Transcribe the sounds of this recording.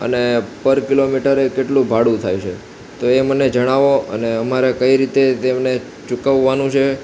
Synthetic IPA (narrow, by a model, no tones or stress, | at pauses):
ə̰nepəɾkilomiʈəɾekeʈlũbʱaɽũt̪ʰajut͡ʃʰḛ | t̪oeməned͡ʒəɽ̃aʋoə̰neəmaɾekəiɾit̪et̪emne | t͡ʃukəʋːanũt͡ʃʰe